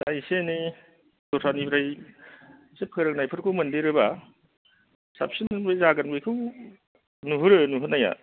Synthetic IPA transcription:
ajseni | dɔtʰanibʰɾaj | sep̚ʰɯɾɯk̚najpʰɯɾkʰɯwmɐndiɾɯba | sa̰p̚sinbɯjzaɡanbɯjkʰɯw | nuɦɯɾɯnuɦɯnaja̰

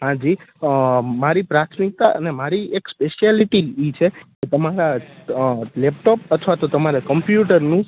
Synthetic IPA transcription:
ɦãd͡ʒi | maɾipɾat̪ʰmik̚t̪aʔə̰nemaɾiekspeʃjaliʈiit͡ʃʰeket̪əmaɾa | lɛpʈopət̪ʰʋat̪ot̪əmaɾakəmpjuʈəɾnũ

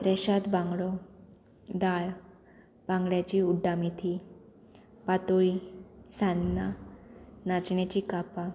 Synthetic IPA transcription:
pɾɛɕad̪bãŋɡɭɔ | d̪aɭ | bãŋɡɭjat͡ɕiːuɖːamit̪ʰi | pat̪oɭisãnːa | nat͡sɳjat͡ɕiːkapa

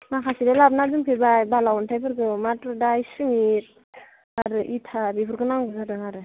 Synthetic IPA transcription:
makʰasidalap̚nazɯmpʰebajbalawɔntʰajpʰɯɾɡɯmatɾudajsɯmiɾ̚ | aɾɯʔitʰabipʰɯɾɡɯnaŋɡɯŋaɾɯŋaɾɯ

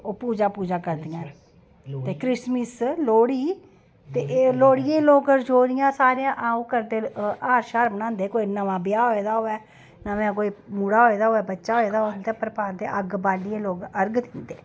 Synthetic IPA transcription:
oːpuːd͡ʒaːpuːd͡ʒaːkəɾd̪ɪjãː | t̪eːkɾɪsmisloːɽiː | t̪eːloːɽɪjẽːloːkəɾd͡ʒoːɾɪjãːsaːɾeãːʔaːũːkəɾd̪eːaːɾʃaːɾbənãːnd̪eːkoːinəʋãːbɪjaːɦoːeːd̪aːɦoːɛː | naːmɛ̃ːk̬oːiːmuːɽaːɦoːeːd̪aːɦoːɛːbətːʃaːɦoeːd̪aːɦond̪eːpəɾpaːɾɡd̪ḛːʔəɡbaːliẽːloːɡəɾɡt̪ʰĩːnd̪eː

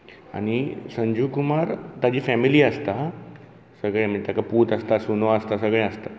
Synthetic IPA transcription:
a̰ñisəɲd͡ʑuːkumaɾt̪ad͡ʑiːfɛmiliːəst̪a | səɡɭẽmt̪akapuːt̪əst̪asunoəst̪asəɡɭẽəst̪a

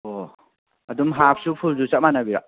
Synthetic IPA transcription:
o | ɐdumɦap̚ʰsupʰulzut͡ʃaʔ̚manabiɾa̰ʔ

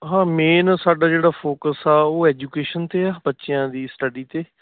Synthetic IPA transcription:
ɦãːmeːnsaːɖaːd͡ʒeːɽaːpʰoːkəsɛːoːɛːd͡ʒuːkeːʃənt̪eːaːbətːʃɪjãːd̪iːsʈəɖiːt̪eː

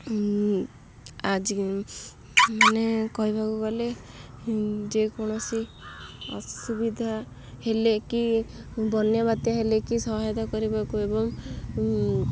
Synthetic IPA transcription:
ad͡ʒ | nekɔɦibakubale | d͡ʒekɔɽ̃ɔsi | ɔ̰subid̪ʱa | helekibʱɔnjabat̪jaɦelekisɔɦajd̪akɔɾibakuebɔm

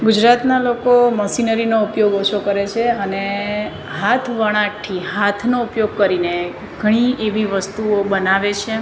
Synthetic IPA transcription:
ɡud͡ʒɾat̪nalokoməsinəɾinoupjoɡot͡ʃʰokəɾet͡ʃʰeəne | ɦat̪ʰʋəɽ̃aʈʰːiɦat̪ʰnoupjoɡ̚kəɾine | ɡʱəɽ̃iʔeʋiʋəst̪uobənaʋet͡ʃʰe

